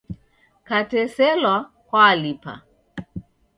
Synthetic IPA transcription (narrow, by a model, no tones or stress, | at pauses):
katɛsɛlwa | kwalipa̰